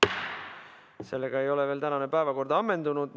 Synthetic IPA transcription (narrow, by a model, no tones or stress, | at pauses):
se̞lːe̞ɡ̥ɑe̞jo̞leve̞ːlt̪ænɑne̞pæevɑko̞rd̪̥ɑɑmːe̞nd̪unud̪̥